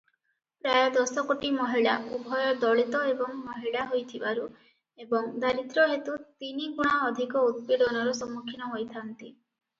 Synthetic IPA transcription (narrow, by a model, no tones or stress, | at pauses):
pɾajɔd̪ɔsɔkoʈimɔɦiɭa̰ubʱɔjɔd̪ɔɭit̪ɔebɔŋmɔɦiɭaɦojt̪ʰibaɾu | ebɔŋd̪ʱaɾit̪ɾɔɦet̪ut̪iniɡuɽ̃aɔd̪ʱikɔud̪̚piɖɔnɔɾusɔmːukʰːinɔɦojt̪ʰant̪i